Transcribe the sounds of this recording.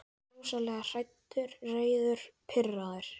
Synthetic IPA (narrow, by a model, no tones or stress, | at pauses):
uwsalɛɣar̥ajt̪ːʏɾreːjðʏɾ̥pʰɪrːaðʏɾ̥